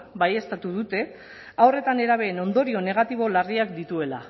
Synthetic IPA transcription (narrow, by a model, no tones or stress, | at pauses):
baje̞st̪at̪uðut̪e̞ | awre̞t̪ane̞ɾaβ̞e̞ːno̞nd̪o̞ɾio̞ne̞ɣ̞at̪iβ̞o̞lariakd̪it̪ue̞la